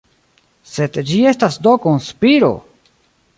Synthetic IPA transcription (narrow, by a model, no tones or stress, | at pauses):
se̞d̪d͡ʒie̞stasd̪okonspiɾo̞̰